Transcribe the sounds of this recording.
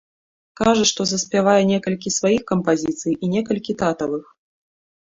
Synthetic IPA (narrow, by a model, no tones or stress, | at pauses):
kaʐɐʂt̪ɔzɐsʲpʲavajɛnʲɛkɐlʲkʲisvajixkɐmpazʲit̪sɨjʔinʲɛkɐlʲkʲit̪at̪ɐvɨx